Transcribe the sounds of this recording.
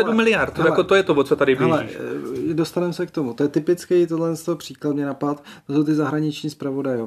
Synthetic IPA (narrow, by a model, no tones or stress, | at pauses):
ɛdumɪlɪjaɾt̪aɛkot̪ojɛt̪ovot͡sot̪adɪalɛidost̪anɛmsɛkt̪o̞mut̪o̞jɛt̪ɪpɪt͡skɛjt̪odlɛnst̪opr̥iːklat̪mɲɛnapat̪t̪osowt̪ɪzaɦɾaɲɪt͡ʃɲiːspɾavo̞dajo